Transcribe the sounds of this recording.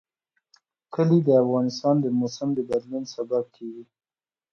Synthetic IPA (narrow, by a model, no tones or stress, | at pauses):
kəlid̪əafɣɑnɪst̪ɑnd̪əmosɪmd̪əbad̪lunsabab̚kʰeɡi